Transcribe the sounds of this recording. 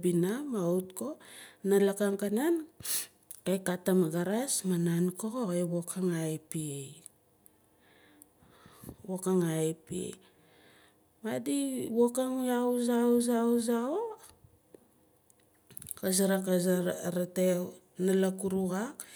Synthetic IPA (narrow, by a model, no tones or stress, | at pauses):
binamawtko̞nalakaŋkanan | kajkatamaɡaɾasmanankoɣoeβo̞kʰaŋajpiej | βokaŋajpiḛ | madiβokaŋauzaozawzao | kasaɾakaɾate | nalakuɾuɣak